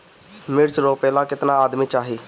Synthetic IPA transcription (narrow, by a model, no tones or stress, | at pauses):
mɪɾt͡ʃɾoːpɛːlãːkɪt̪nãːaːd̪miːt͡ʃaːɦiː